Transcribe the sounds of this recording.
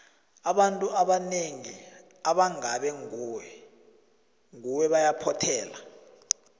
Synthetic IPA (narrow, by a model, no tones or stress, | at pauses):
aɓantʼuʔaɓaneŋi | aɓaŋaɓɛŋuːwɛ | ŋuwɛɓajapʰɔtʰɛːla